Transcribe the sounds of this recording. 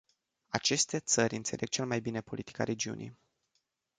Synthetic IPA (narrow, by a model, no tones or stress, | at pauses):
at͡ʃe̞st̪e̞t̪sərʲɨnt̪se̞lʔe̞ɡ̚t͡ʃe̞lmajbine̞po̞lit̪i̥ka̰ɾe̞d͡ʒiṵnʔḭj